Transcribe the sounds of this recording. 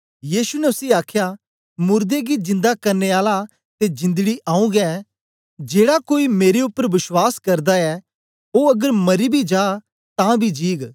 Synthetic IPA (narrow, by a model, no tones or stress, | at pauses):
jiːsunɛʊsiaːkʰja | mʊɾd̪eɡid͡ʒɪ̃nd̪akɐɾneaːla | t̪ed͡ʒɪ̃nd̪ɡiʔãːũɡɛ | d͡ʒeːɽakoːimeːɾeʊpːəɾʋɪswaːskɐɾd̪aɛ | oɐɡəɾmɐɾibʱid͡ʒaː | t̪ãbʱid͡ʒiːɡ